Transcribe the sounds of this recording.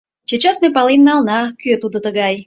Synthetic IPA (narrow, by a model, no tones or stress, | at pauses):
t͡ɕet͡ɕɑsmepɑlemnɑlˠnɑkøt̪ud̪ot̪əɣɑj